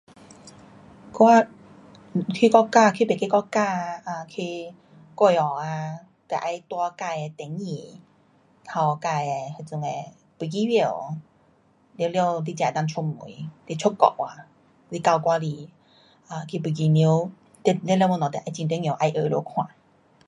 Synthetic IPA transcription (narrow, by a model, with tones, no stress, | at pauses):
kwa˦ | kʰi˧˦kɔ˦˥ka˥˧˨kʰi˧pe˨˩ke˦˧kɔ˥˧ka˥˧a˧˩kʰi˧ | kɔ˧˨ɔ˨˩a˧ | t̪e˨˩ʔa˧jt̪wa˧ka˧je˧t̪ɛ˨˦ŋːĩ˨˩ | kʰa˧wka˧je˧ha˧˩t͡su˧ŋe˧˩ | pu˧˩˦ki˧˦wje˧˩ | ljwlje˧wli˦t͡ɕjã˨˩t̪a˧ŋt͡ɕʰu˧mṵ˨˦t̪i˧t͡ɕʰo˦˥kɔ̰˧˨˩ʔwa˧˩ | li˦ka˧wkwa˧li˧˩ | a˧˩kʰi˧˩pu˧˨ki˧ni˧˦w | t̪e˧llnɔ̃˨˩t̪e˨˩ʔa˧jt͡ɕi˧nt̪̬ŋjʔa˧jʔə˧lo̰˧kʰw̃ã̰˨˩˦